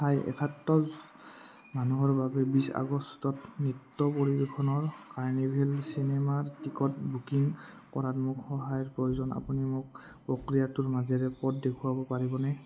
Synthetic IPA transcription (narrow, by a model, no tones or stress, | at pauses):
tʰajɛ̰kʰatːɔz | manuɦɔɹbabɛbisa̰ɡɔstɔtnitːɔpoɹibekʰɔnɔɹkaɹnibʱelsinɛmaɹtikɔt̚bʱukiŋ | kɔɹatmukxɔɦajɔɹpɹojuzɔna̰punimʊk̚ | pɹɔkɹijatʊɹmazɛɹɛpɔtdekʰuabɔpaɹibɔnɛ